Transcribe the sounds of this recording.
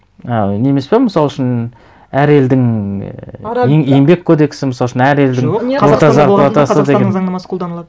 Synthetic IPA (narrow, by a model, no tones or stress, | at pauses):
ɑne̞me̞spe̞məsɑlˠʏʃɪn | æɾe̞ld̪ɪŋ | eŋejmbe̞kʲʰːod̪e̞kʲsɪməsɑlˠʃɪnæɾe̞ld̪ɪŋoɑzɑʁɑt̪ɑsəd̪eeɑnmɑsqʰolˠd̪ɑnəlˠɑd̪